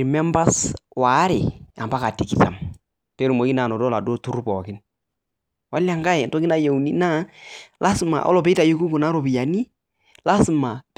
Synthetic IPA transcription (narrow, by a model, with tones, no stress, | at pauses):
ɾmɛ˦mba˦swa˨˦ɾɪ̰˨a˨mba˦ka˨ti˨ki˨ta˨m | te˦ɾu˨mo˨ki˦na˨nɔ˨dɔ˦la˨dɔ˦tu˦ɾu˦pɔ˨kɪ˦n | wa˦la˨ŋɡa˦ɛ˨ntɔ˦kɪ˦na˦je˨u˨ni˦na˦la˦sma̰˨ʔɔ̰˦lɔ˨pe˦ta˨ju˦ku˦ku˨na˦ɾo˨bi˨ja˨ni˦ | la˦sma˨t